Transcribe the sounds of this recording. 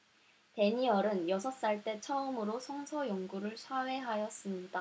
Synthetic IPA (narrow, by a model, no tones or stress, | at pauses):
te̞ɲiʌɾɯnjʌsʰʌs͈aɭt͈e̞t͡ɕʰʌɯmɯɾosʰʌŋsʰʌjoŋɡuɾɯɭsʰawe̞ɦajʌs͈ɯmɲida